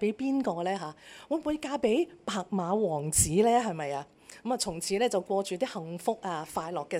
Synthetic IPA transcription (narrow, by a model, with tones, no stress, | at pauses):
pe˨˥jpiː˥nkɔː˧lɛː˥ɦaː˨˧˦wɔː˨˧˥muː˨˧jkaː˧pe˨˥jpaː˨˩k̚maː˨˧wɔː˨˩ŋt͡siː˨˥lɛː˥ɦɐ˨jmɐ˨jaː˧ | kɐ˧˥maː˨t͡sʰʊ˨˩ŋt͡sʰiː˨˥lɛː˥t͡sɐ˨wkʷɔː˧t͡ʃyː˨t̪iː˥hɐ˨ŋfʊ˥k̚ʔaː˧faː˧jlɔː˨kːɛː˧